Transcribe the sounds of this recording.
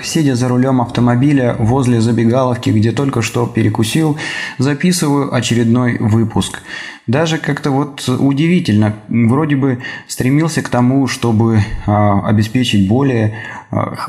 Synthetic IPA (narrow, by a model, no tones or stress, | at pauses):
sʲedʲəzəɾʊlʲo̞mɐft̪əmɐbʲilʲəvo̞zʲlʲɪzəbʲɪɡalˠəfkʲɪɡdʲe̞t̪o̞lʲkəʂt̪o̞pʲɪɾʲɪkʊsʲilˠzɐpʲisɨvəjʊʔɐt͡ɕɪɾʲɪd̪no̞jvɨpʊskd̪aʐɨkakt̪əvo̞t̪ʊdʲɪvʲitʲɪlʲnəvɾo̞dʲɪbɨst̪ɾʲɪmʲilˠsʲəkt̪ɐmuʂt̪o̞bɨ | ɐ̰bʲɪspʲet͡ɕɪt̚ʲbo̞lʲɪjə̰